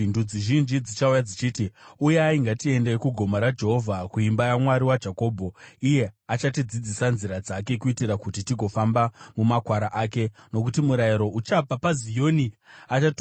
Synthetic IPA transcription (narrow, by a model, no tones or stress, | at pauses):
ndud͡ziʒind͡ʒid͡zit͡ʃaujad͡zit͡ʃiːtiujeaiŋɡatie̞ndekuɡʱo̞maɾad͡ʒe̞ɦo̞vʱakuimbajamwaɾiwad͡ʒako̞ːbʱo̞ije̞at͡ʃatid͡zid͡zisanziɾad͡zake̞kuitiɾakutitiɡʱo̞fambamumakwaɾaʔaːke̞no̞k̬utimuɾaiɾo̞ʔut͡ʃapapazijo̞niat͡ʃat